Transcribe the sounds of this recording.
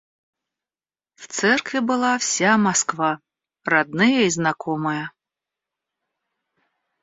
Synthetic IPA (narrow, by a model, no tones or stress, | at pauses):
w̥t̪sɛrkvʲibɨlˠawsʲamaskva | rad̪̚nɨjɐiznakʰɔmɨjɐ